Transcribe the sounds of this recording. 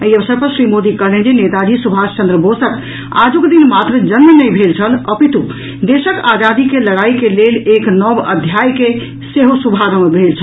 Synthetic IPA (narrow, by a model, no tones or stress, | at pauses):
əiəbəsəɾpəɾsɾimod̪ikəɦlend͡ʒenet̪ad͡ʒisubʱast͡ʃənd̪ɾəbosək | a̰d͡ʒoked̪inmat̪ɾəd͡ʒənmənəjbʱelt͡ʃʰələpit̪u | d̪esəkad͡ʒad̪ikeləɽaikeleleknəbə̰d̪ʱjajke | seɦosubʱaɾəmebʱelt͡ʃʰəl